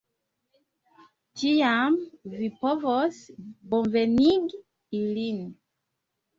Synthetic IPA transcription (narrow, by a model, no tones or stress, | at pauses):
d͡ʒijamvipɔvɔsbɔ̃vɛniɡ | ilin